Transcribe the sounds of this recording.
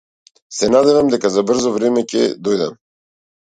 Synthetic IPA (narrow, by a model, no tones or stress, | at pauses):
sɛnad̪ɛvamd̪ɛkazabr̩zɔvɾɛmɛcɛ̰d̪ɔjd̪am